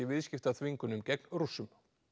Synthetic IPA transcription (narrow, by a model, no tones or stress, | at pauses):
ɪvɪðscɪft̪aθviŋkʏnʏmcɛknrusːʏm